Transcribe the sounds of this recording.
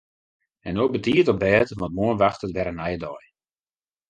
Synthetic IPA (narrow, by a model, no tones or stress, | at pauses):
ɛnoːbətiətɔbɛːtʋɑ̃nt̚muənʋaxtətʋɛɾənɛjdɔj